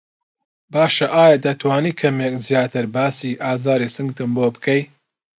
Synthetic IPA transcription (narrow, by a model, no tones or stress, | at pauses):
baːʃɐʔaːjad̪ɐt̪ʰwaːniːkʰɐmek̚zijaːt̪ɨɾbaːsiːʔaːzaːɾisɨŋɡt̪ɨmbobɨ̥kɐj